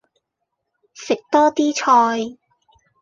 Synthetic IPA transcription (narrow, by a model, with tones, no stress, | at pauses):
sɪ˨k̚t̪ɔː˥t̪iː˥t͡ʃʰɔː˧j